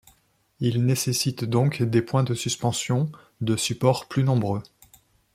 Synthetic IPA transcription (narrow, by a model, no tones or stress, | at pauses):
ilnesesit̪d̪ɔ̃kd̪epwɛ̃d̪əsyspɑ̃sjɔ̃ | d̪əsypɔʁplynɔ̃bʁø